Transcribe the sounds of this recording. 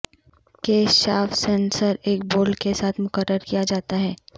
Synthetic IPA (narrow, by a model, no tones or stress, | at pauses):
keːʃaːfseːnsəɾeːk̚boːlkesaːt̪ʰmʊkəɾːəɾkijad͡ʒaːt̪aɦɛː